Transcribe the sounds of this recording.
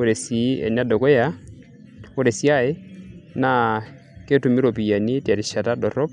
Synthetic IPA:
o˦ɾe˨si˨˦ɛ̰˨na˦dɔ˨kɔ˦ja˦ | o˦ɾe˨si˦a˦˨ɪ˦na˦ | ke˦tu˨mi˦ɾo˨pi˨ja˨ni˦ta˨ɾi˨ʃa˨ta˦dɔ˨ɾɔ˦p̚

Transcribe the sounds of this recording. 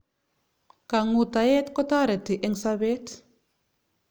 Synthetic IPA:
ka˨ŋu˨t̪a˨je˦t̪kɔ˦t̪a˦ɾɛ˨t̪i˨ʔɛ˧ŋsa˦be˦t̪

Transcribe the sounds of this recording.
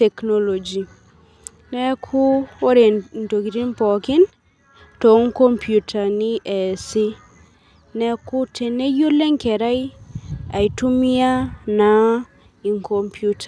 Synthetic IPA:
te˨kno˦lo˨d͡ʒi˨ | ne˦kʰu˦wo˦ɾe˨n˨to˨ki˨ɾi˦npɔ˨kɪ˦n | to˨˦ŋko˦mpju˨tʰa˨ni˦ʔe˨si˦ | ne˦ku˦te˨ne˦jo˦le˦ŋke˨ɾa˦i | a˨i˨tu˦mi˦a˦na˨˦ | i˨ŋkʰo˨mpʰju˦tʰa˨

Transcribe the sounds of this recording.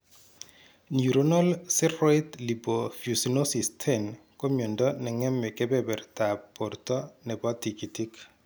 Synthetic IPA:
nju˨ɾo˦nɔ˦lsi˦rɔ˦it̪li˨bo˨fju˨sinosi˨stʰɛ˦m | ko˦mɔ˨ndɔ˦nɛ˨ŋɛ˦mːɛ˨kɛ˦bɛbɛ˨rta˨pːɔ˨ɾtɔ˦nɛ˨bɔ˦ti˨ki˨ti˦k

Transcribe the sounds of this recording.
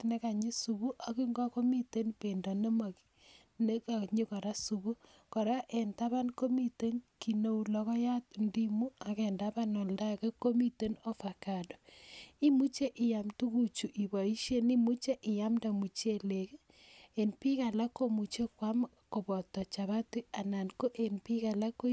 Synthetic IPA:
ne˦ka˨ɲi˦su˨βu˦ʔa˨ki˦ŋɡɔ˦ko˦mi˦te˦npe˨ndɔ˨ne˦ma˨ki̥˦ | ne˦ka˨ɲi˦kɔ˨ɾa˦su˨βu˦ | kɔ˨ɾa˦ʔe˨nta˦βa˦nko˦mi˦te˦nki˨no˦u˨lɔ˨kɔ˦ja˦tndi˦mu˦a˨kɛ˨nda˦ba˦nɔ˨lda˦ke˦ko˦mi˦te˦no˦fa˨ka˨do˨i˦mu˦t͡ʃe˦ʔɪ˨ja˨mtu˦ku˦t͡ʃu˨ʔi˨ba˨i˦ʃe˦ni˦mu˦t͡ʃe˦ʔɪ˨ja˦mda˨mu˨t͡ʃe˦le˨k | e˨npi˦ka˨la˦ko˦mu˨t͡ʃe˦kwa˦m | ko˨bɔ˨tɔ˨t͡ʃa˨βa˦ti˦a˨na˨nko˦ʔe˨npi˦ka˨la˦ko˦

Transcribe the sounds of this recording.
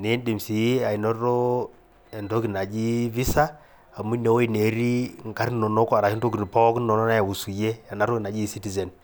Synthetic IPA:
ne˨˦n˦di˨msi˨ji˦a˨i˨nɔ˦ɾo˦ | e˨ndo˦ki˨na˨d͡ʒi˦vi˦sa˦ | a˨mu˦ne˨wo˦i˦˨ne˨ɾi˦ŋ˨ka˦ɾnːo˨no˦kɔ˦a˨ɾa˨ki˦do˦ki˨n˨pɔ˦knɔ˨nɔ˦na˦ja˨wu˨su˨je˦a˨na˨˦ɾo˦i˨na˨d͡ʒi˦si˦ti˨zɛ˨n

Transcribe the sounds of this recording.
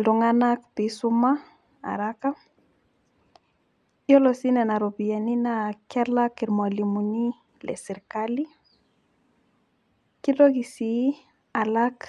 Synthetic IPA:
ldɔ˨ŋa˦na˦kpi˨su˦ma˦ | a̰˨ɾaka˦ | jɔ˦lɔ˨si˦nɛ˨na˨ɾo˨bi˨a˨ni˦nakɛ˦laki˨ɾma˨li˨mu˨ni˦ | lɛ̰˨si˨ɾkali˦ | ki˦do˦ki˨si | a˨lak

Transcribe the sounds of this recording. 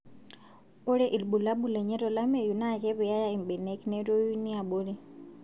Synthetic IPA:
u˦ɺɛ˦ʔi˨lɓu˨la˦ɓu˦˨lɛ˨ɲɛ˦ɾɔ˨la˦mɛ˨ju˨na˦˨kɛ˦βɛ˨ja˦ja˦i˨mbɛ˨nɛ˦kinɛ˦to˦u˦ni˦a˨ɓu˦lɛ˦

